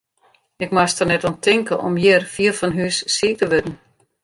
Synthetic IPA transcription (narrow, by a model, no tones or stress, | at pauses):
ɪkmastərnɛtɔntʰɪŋkəʔɔ̰mjɪrfiəlfɔnɦysːiːtəʋødn̩